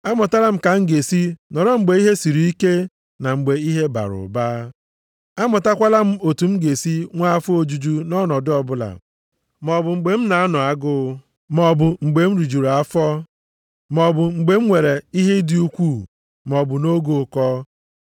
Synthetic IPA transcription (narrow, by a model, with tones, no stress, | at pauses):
a˦mɔ˨ta˦la˦m̩˦ka˨ŋ̩˦ɡe˨si˦nɔ˨ɾɔ˦ŋ͡m̩˨ɡ͡be˨i˦ɦe˦si˨ɾi˦i˦ke˦ | na˨ŋ͡m̩˨ɡ͡be˨i˦ɦe˦ba̰˨ɾʊ̰˨baː˦ | a˦mʊ˨ta˦kʷa˦la˦m̩˦o˨tu˨m̩˦ɡe˨si˦ŋʷa˦a˦fʊ˦o˦d͡ʒu˦d͡ʒu˦nɔ˦nɔ˨dɪ˦ɔ˨bʊ˦la̰˨ | mɔ˨bʊ˨ŋ͡m̩˨ɡ͡be˨m̩˦na˨a˦nɔ˨a˦ɡʊ˦ | mɔ˨bʊ˨ŋ͡m̩˨ɡ͡be˨m̩˦ɾi˨d͡ʒu˨ɾa˨a˦fɔ˦ | m˨ɔ˨bʊ˨ŋ͡m̩˨ɡ͡be˨m̩˦ŋʷe˨ɾe˨i˦ɦe˦dɪ˦u˦kʷu˦˨ | m˨ɔ˨bʊ˨no˦ɡo˨kɔ˦